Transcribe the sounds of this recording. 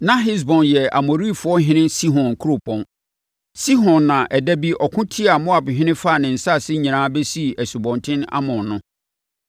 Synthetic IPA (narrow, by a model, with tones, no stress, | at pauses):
nã˦ɦi˦s̬bɔ̃˨njɛ˨a̰˨mo˨ɾi˦˨fʊ˨˦ɔ˦ɦɪ̃˦nɪ̃˦si˦ɦɔ̃˨n˨kʰu˦ɾo˦˨pʰɔ̃˨n | si˦ɦɔ̃˨nːã˨ʔɛ˨dæ˦bi˦ʔɔ˨kʰʊ̃˦tʰi˦a˨mʊ̃˦a˨bɦɪ̃˦nɪ̃˦fa˦˨nɪ̃˨n̩˨sa˦˨sɪ˦ɲĩ˨ãː˦bɛ˦si˦˨æ˨su˨bɔ̃˨ntʰɪ̃˦na̰˦mʊ̃˨nnʊ̃˦